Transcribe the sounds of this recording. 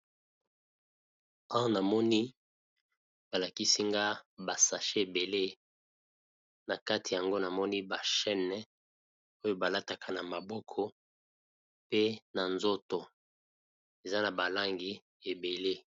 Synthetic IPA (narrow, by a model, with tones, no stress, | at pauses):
a˦w̃na˨mɔ˦ni˦ | ba˨la˨ki˦si˦ŋɡa˦ba˨sa˨ʃe˦e˨be˨le˦ | na˨ka˦ti˨ja˨ŋɡo˦na˨mɔ˦ni˦ba˨ʃɛ˦nɛ˦ | o˦jo˦ba˨la˦ta˨kʰa˨na˨ma˨bɔ˦kʰɔ˦ | pe˦na˨nzo˦to˨ | e˨za˦na˨ba˨la˦ŋɡi˨ | e˨be˨le˦